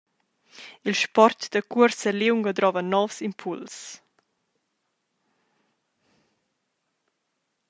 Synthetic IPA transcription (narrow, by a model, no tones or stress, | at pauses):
ilʃpɔrt̪d̪əkuəɾsəliwŋɡɔd̪ɾɔvənːɔfsimpʰuls